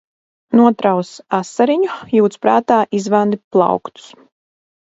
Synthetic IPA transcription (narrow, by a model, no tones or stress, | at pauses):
nuɔt̪ɾawsasːaɾiɲujuːt̪spɾaːt̪aːʔizvand̪iplˠɑ̰wkt̪u̥s